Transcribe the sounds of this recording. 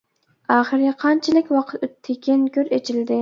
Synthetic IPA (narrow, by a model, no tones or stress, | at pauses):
ɑːχɨɾqʰɑnt͡ʃʰɪlɪkʲwɑqʰət̪øt̪ʰːɪkʲʰinkʲʰøɾet͡ʃʰild̪ɪ